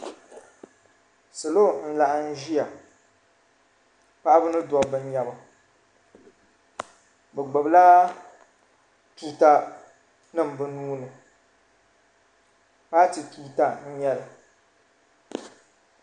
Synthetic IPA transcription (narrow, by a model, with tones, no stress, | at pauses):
sɨ˨lo˦n̩˦la˨ʔn̩˦ʒi˦a˨ | pa˦ʔa˦bɨ˦nɨ˦dɔ˨bɨ˨ɲ˦ɲa˨ba˨ | bɛ˨ɡ͡bɛ˨bla˦ | tuː˦ta˦ | nɨ˦˨m˨bɨ˦nuː˦nɨ˨ | pa˦ti˨tuː˦ta˦˨n̩˦ɲɛ˦lɨ˨